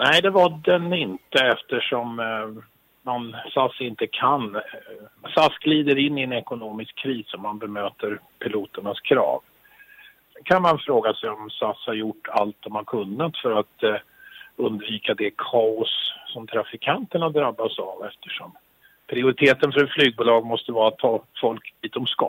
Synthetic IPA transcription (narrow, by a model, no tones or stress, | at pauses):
nɛɪd̪ɛvaɖɛnɪnt̪əɛft̪əʂɔm | mansasːɪnt̪əkʰan | sasɡliːd̪əɾɪnːɪɛnɛkʊnoːmɪskʰːɾiːsɔmːanbɛmøːt̪əɾ | pʰɪluːt̪əɳaskʰɾɑ̰ːv | ɛkʰanmanfɾoːɡasɛjɔmsashaɾjʊʈːa̰lt̪̚d̪ɔmhaɾkʰɵnːat̪fœɾat̪ | ɵnd̪viːkad̪ɛkʰɑːʊsːɔmt̪ʰɾafɪkʰant̪əɳad̪ɾabːasavɛft̪ʰəʂɔm | pʰɾɪʊɾɪt̪ʰeːt̪ənfœɾɛt̪flyːɡ̚buːlɑːɡmɔst̪əvɑːɾat̪ʰːɑːfɔlkd̪iːt̪̚ɔmskɑ̰